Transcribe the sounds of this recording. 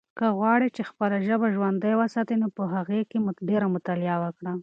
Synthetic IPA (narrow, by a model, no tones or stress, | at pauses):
kəɣwɑɽit͡ʃexpəlaʒəbaʒwand̪əjwasɑt̪inopəɦaɣekemʊɖeɾamʊt̪alɪjawəkɽa